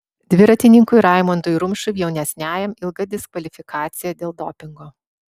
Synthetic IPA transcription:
d̪ʲʋʲɪɾɐt̪ʲɪnʲɪŋkʊɾɑˑɪmont̪ʊjɾʊmʲʃʊjɛʊnʲɛsʲnʲæːjɛmɪlˠɡɐd̪ʲɪskʋɐlʲɪfʲɪkʰɑːt̪sʲɪjɛd̪ʲeːlˠd̪oːpʲɪŋɡoː

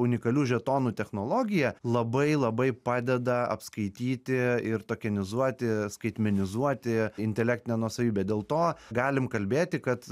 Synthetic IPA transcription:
ʊnʲɪkɐlʲuːʒʲɛt̪oːnuːt̪ʲɛxnoːlˠoːɡʲɪjɛlˠɐbɐɪlˠɐbɐɪpɑːd̪ʲɛd̪ɐɐ̰pskɐɪt̪ʲiːt̪ʲɪɪɾt̪oːkʲɛnʲɪzuɔt̪ʲɪskɐɪt̪ʲmʲɛnʲɪzuɔt̪ʲɪɪnʲt̪ʲɛlʲæːkt̪ʲɪnʲɛnuɔsɐʋʲiːbʲɛd̪ʲeːlˠt̪oːɡɑːlʲɪmkɐlʲbʲeːt̪ʲɪkɐt̪

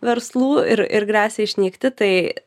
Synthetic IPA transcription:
ʋʲɛɾslˠuːɪ̰ɾɪ̰ɾɡɾæːsʲeːɪʃʲnʲiːkt̪ʲɪt̪ɐɪ

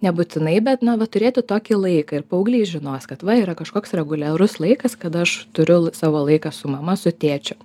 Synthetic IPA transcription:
nʲɛbʊt͡s̪ʲɪnɐɪbʲɛt̪nɐʋɐt̪ʊɾʲeːt̪ʲʊt̪oːkʲilˠɐɪkɐɪrpɐʊɡlʲiːʒʲɪnoːskɐt̪ʋɐiːɾɐkɐʃkoːksɾʲɛɡʊlʲæɾʊslˠɐɪkɐskɐt̪ɐʃt̪ʊɾʲʊsɑːʋoːlˠɐɪkɑsʊmɐmɐsʊt̪ʲeːt͡ʃʲʊ

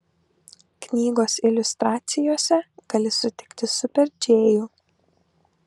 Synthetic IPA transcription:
knʲiːɡoːsɪlʲʊst̪ɾɑːt̪sʲɪjoːsʲɛɡ̥ɐlʲɪsʊt̪ʲɪkt̪ʲɪsʊpʲɛɾʲd͡ʒʲeːjuː

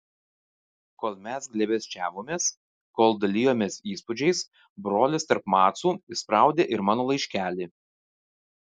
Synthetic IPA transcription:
koːlˠmʲɛsɡlʲɛbʲɛsʲt͡ʃʲæːʋoːmʲeːs | koːlˠd̪ɐlʲiːjoːmʲeːsiːspʊd͡ʒʲɛɪs | bɾoːlʲɪst̪ɐɾpmɑːt̪suːɪspɾɑˑʊd̪ʲeːʔɪɾmɑːnoːlˠɐɪʃʲkʲæːlʲiː

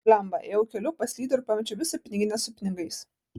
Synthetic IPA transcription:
lʲɛmbɐejɛʊkʲɛlʲʊpɐsʲlʲiːd̪ʲɛɾʲʊpɑmʲɛt͡ʃʲʊʋʲɪsɐpʲnʲɪɡʲɪnʲɛsʊpʲɪnʲɪɡɐɪs

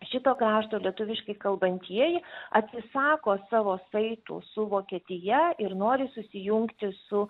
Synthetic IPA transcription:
ʃʲɪt̪oːkɾɑːʃt̪oːlʲiɛt̪ʊʋʲɪʃkɐɪkɐlˠbɐnʲt̪ʲiɛjɪɐt̪ʲsʲɪsɑːkoːsɑːʋoːsɐɪt̪ʊ̰ːsʊʋoːkʲiɛt̪ʲɪjɛɪɾnoːɾʲɪsʊsʲɪjʊŋkt̪ʲɪsʊ

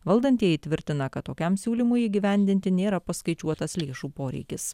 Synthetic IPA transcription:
ʋɐlˠd̪ɐnt̪ʲiɛit̪ʲʋʲɪɾʲt̪ʲɪnɐkɐt̪t̪ːoːkʲɛmsʲuːlʲimʊjiːɡʲɪʋʲɛnʲd̪ʲɪnʲt̪ʲɪnʲeːɾɐpɐskɐɪt͡ʃʲuɔt̪ɐslʲeːʃuːpoːɾʲɛ̰ɪkʲɪs

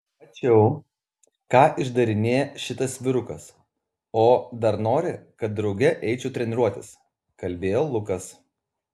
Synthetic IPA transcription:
ɐt͡ʃʲɛʊ | kɑːʔɪʒd̪ɐɾʲɪnʲeːjɛʃʲɪt̪ɐsʲʋʲɪɾʊkɐs | oːd̪ɐɾnoːɾʲɪkɐt̪̚d̪ɾɒʊɡʲɛʔɛɪt͡ʃʲʊt̪ʲɾʲɛnʲɪɾuɔt̪ʲɪs | kɐlʲbʲeːjoːlˠʊkɐs

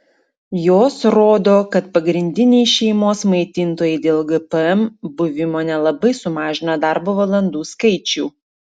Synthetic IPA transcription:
joːsɾoːd̪oːkɐt̪pɐɡɾʲɪnʲd̪ʲɪnʲɛɪʃʲɛɪmoːsmɐɪt̪ʲɪnt̪oːjɛɪd̪ʲeːlˠɡɛpɛɛmbʊʋʲɪmoːnʲɛlˠɐbɐɪsʊmɑːʒʲɪnɐd̪ɑˑɾboːʋɐlˠɐnd̪uːskɐɪt͡ʃʲuː

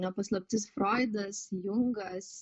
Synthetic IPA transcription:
nʲɛpɐslˠɐp̚ʲt̪ʲɪsfɾoːɪd̪ɐsjʊŋɡɐs

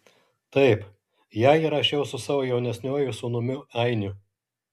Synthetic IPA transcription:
t̪ɐɪp | jæːiːɾɐʃʲɛʊsʊsɑːʋoːjɛʊnʲɛsʲnʲuɔjʊsʊnʊmʲʊæɪnʲʊ

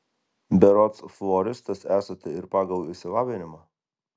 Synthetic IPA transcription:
bʲɛɾɔt̪sflˠɔɾʲɪst̪ɐsæːsɐt̪ʲɛɪɾpɑːɡɐlˠɪsʲɪʋɑːʋʲɪnʲɪmɑː

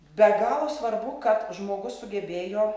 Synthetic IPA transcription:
bʲɛɡɑːlˠoːsʋɐɾbʊkɐt̪ʒmoːɡʊssʊɡʲɛbʲeːjoː

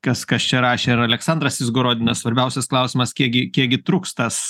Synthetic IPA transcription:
kɐskɐst͡ʃʲɛɾɑːʃʲeːɪɾɐlʲɛksɐnd̪ɾɐsɪzɡoɾoːd̪ʲɪnɐssʋɐɾʲbʲɛʊsʲɛsklˠɐʊsʲɪmɐskʲiɛkɡʲɪkʲiɛkɡʲɪt̪ɾuːkst̪ɐs

